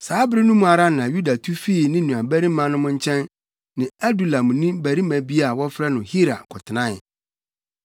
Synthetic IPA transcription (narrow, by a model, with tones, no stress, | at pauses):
saː˨˦bɪ˦ɾi˦nũ˦mũ˦a˨ɾa˦nʊ̃˨ã˨ju˦da˨tʰu˦fi˦˨nɪ̃˦nũ˨a˨bæ˦ɾi˦mã˦nʊ̃˦mʊ̃˦ɲ̩˦t͡ɕʰɛ̃˦n | nɪ̃˨a˦du˨lã˨m̃˨nĩ˦bæ˨ɾi˦mæ̃˨bi˦a˦˨wɔ˦fɾɛ˦nʊ̃˨hi˦ɾa̰˨kʰʊ˨tʰɪ˨nã˦ɪ˨